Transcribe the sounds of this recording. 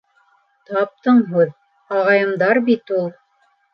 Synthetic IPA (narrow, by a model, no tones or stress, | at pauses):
t̪ɑp̚t̪ɤɴɦʉð | ɑʁɑjɤ̆md̪ɑɾbit̪ulˠ